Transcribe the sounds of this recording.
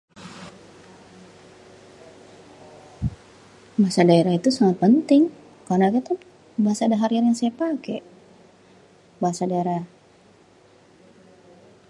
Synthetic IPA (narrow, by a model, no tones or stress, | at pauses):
baasadaeɾait̪usaŋat̪̚pənt̪ɪŋ | karnakat̪a | baɦasadaɦaɾiarjaŋsaapakɛʔ | baɦasadaeɾa